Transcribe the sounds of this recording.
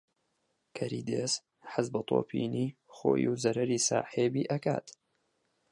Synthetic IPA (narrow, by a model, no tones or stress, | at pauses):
kʰɐɾiːd̪eːs | ħɪzbɐt̪ˤʰoːpʰiːniːxo̰ːjuzɐɾɐɾiːsaːħeːbiːʔɐka̰ːt̪